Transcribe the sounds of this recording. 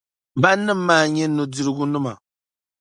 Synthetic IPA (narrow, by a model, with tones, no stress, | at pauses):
ba˦nːɨ˦m̩ː˦aː˦˨ɲɛ˦nu˨di˦ɾɨ˦ɡu˦nɨ˦ma˨